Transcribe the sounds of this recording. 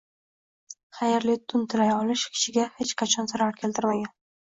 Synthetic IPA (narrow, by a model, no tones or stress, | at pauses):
χajeɾlɪt̪ʰʊnt̪ʰɪlajɒlɪʃkʲʰɪ̥ʃɪɡʲahet͡ʃqʰɑt͡ʃʰɒnzaɾaɾkʲʰe̞lt̪ʰɪɾmaɡʲan